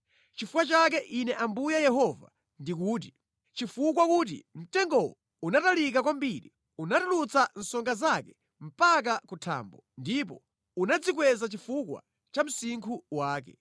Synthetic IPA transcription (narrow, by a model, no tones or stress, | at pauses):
t͡ʃifukwat͡ʃak̬ɛʔinɛʔambujajɛɦɔva̰ | ndik̬uːt̬i | t͡ʃifukwakut̬ḭm̩tɛŋɡɔwɔ | unatalik̬ak̬wambiɾḭ | unatulut͡san̩sɔŋɡazakɛ | m̩pak̬akutʰa̰ːmbɔ | ndip̬ɔ | unad͡zik̬wɛzat͡ʃifukwa̰ | t͡ʃam̩siŋkʰuwaːk̬ɛ